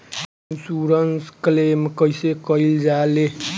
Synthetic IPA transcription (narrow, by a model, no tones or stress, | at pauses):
nsuɾʌnsklemkʌjsekʌjld͡zale